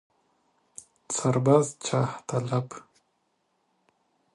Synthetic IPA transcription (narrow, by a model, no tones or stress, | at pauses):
saɾbazt͡ʃʰaht̪alap